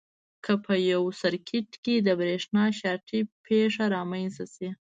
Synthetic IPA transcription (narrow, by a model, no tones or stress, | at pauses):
kʰəpʰəjawsaɾkʰɪʈked̪əbɾeʂnɑʃɑʈʰipʰeʂaɾɑmajnsasi